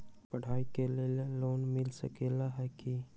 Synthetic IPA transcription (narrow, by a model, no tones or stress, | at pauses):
pəɽ̤aːikeleleloːnmɪlsəkelaɦɛki